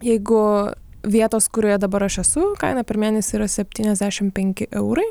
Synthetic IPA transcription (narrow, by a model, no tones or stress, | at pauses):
jɛɪɡʊ | ʋʲiɛt̪oːskʊɾʲoːjɛd̪ɐbɐɾɐʃɛsʊkɐɪnɐpʲɛɾmʲeːnʲɛsʲɪiːɾɐsʲɛpʲt̪ʲiːnʲɛzd̪ʲæːʃʲɪmpʲɛŋʲkʲɪʔɛʊɾɐɪ